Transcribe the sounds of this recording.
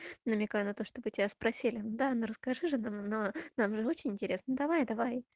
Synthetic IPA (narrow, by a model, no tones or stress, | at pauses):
nəmʲɪkajʊnɐt̪oʂt̪obɨtʲɪbʲaspɾɐsʲilʲɪnud̪anoɾəskɐʐɨʐɨnamnonamʐɨo̞t͡ɕɪnʲɪnʲtʲɪɾʲe̞snəd̪ɐvajd̪ɐvaj